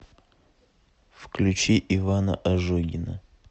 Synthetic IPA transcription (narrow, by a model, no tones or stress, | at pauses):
fklʲʉt͡ɕiʔɪvanə̰ʔɐʐoɡʲɪnə